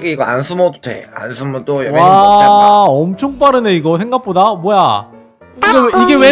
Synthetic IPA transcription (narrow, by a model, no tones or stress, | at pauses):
ɡeiɡʌa̰nsʰumʌdotʰḛa̰nsʰumʌt͈ojʌwaaʌmt͡ɕʰoŋp͈aɾɯne̞iɡʌsʰeŋɡak̚p͈odamwʌja | iɡeiɡe̞we